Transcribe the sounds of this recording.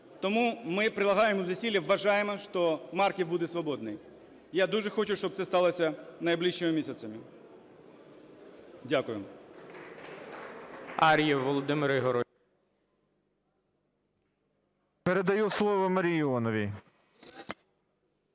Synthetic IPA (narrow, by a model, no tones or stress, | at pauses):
t̪ɔmumɪpɾʲɪlˠɐɦɑjemʊzɐsʲilʲɐʋːɐʐɑjɪmɐʂt̪ɔmɑrkʲiwbud̪ɛsʋɐboɔd̪nɪj | jad̪uʐɛxot͡ʃʊʃt͡ʃɔb̚t̪sɛst̪ɑlˠɐsʲɐnɐjblˠiʃːɪmɪmʲisʲɐt̪sɐmʲɪ | dʲakʊjɪm | aɾʲjɛʋɔlˠɔd̪ɪmɪɾɪɦɔɾɔ | peɾed̪ɐjuslˠɔʋɔmɐɾʲijɔnɔʋʲi